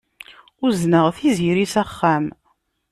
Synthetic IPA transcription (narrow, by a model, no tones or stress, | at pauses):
ʊznəʁθiziɾisæχːæm